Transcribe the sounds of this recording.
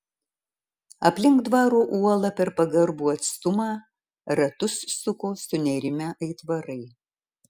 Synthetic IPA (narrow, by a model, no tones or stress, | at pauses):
ɐpʲlʲɪŋkd̪ʋɑːɾoːʔuɔlˠɐpʲɛɾpɐɡɐɾbuːɐt̪st̪ʊmɑː | ɾɐt̪ʊsːʊkoːsʊnʲɛɾʲɪmʲæʔɐɪt̪ʋɐɾɐɪ